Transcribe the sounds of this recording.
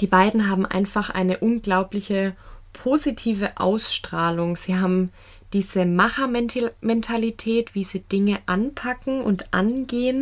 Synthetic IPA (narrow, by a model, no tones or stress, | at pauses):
d̥iːbaɪdn̩ɦaːbm̩ʔa̰ɪnfaχʔa̰ɪnəʔʊnɡlaʊplɪçəpʰoːzitʰiːvəʔa̰ʊsʃtʁ̥aːlʊŋz̥iːɦaːbm̩ | d̥iːzəmaχɐmɛntʰalitʰɛːtv̥iːziːdɪŋəʔanpʰakŋ̩ʔʊ̰ntʔa̰nɡeːən